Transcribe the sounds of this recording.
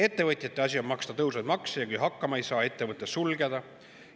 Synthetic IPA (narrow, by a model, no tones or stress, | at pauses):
e̞t̪ːe̞vɤt̪ʲˑjɑt̪ˑːe̞ɑsʲio̞mmɑkst̪ɑt̪ɤwsɑjd̪mɑksejɑkujɦɑkːɑmɑe̞jsɑːe̞t̪ːe̞vɤt̪ːˑessulɡed̪̥ɑ